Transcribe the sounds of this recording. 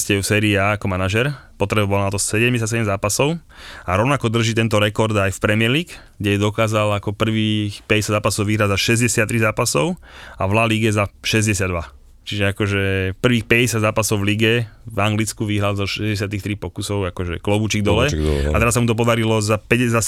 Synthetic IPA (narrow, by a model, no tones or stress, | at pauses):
scɛufsɛːɾiːaːakɔmanaʒɛɾpɔt̪ɾɛbaʋɔlnat̪ɔsɛɟɛmɲɟɛs̬atsɛɟɛmzaːpasɔʊ | aɾɔʊnakɔd̪r̩ʒit̪ɛnt̪ɔɾɛkɔɾd̪ajfpɾɛmɪɛɾliːk | ɡɟɛjɛd̪ɔkaːzalakɔpr̩ʋiːxpɛɟɛsjad̪zaːpasɔʊʋiɦɾaɟzaʃɛzɟɛsɪat̪ːɾizaːpasɔʊaʋlaliɡɛzaʃɛzɟɛsɪad̪ʋa | t͡ʃiʒɛakɔʒɛpr̩ʋiːxpɛɟɛsjad̪zaːpasɔʊvliɡɛvaŋɡlit͡skuʋiɦɾalzɔʃɛzɟɛs̬ɪat̪ixt̪ɾipɔkusɔʊakɔʒɛklɔbut͡ʃiɡ̚d̪ɔlɛ̰at̪ɛɾasːamut̪ɔp̬ɔd̪aɾilɔzapɛɛza